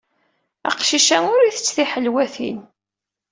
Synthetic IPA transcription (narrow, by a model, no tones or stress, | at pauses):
ə̰qʃiʃæŋʊɾiθət͡sːθiħəlwæθḭn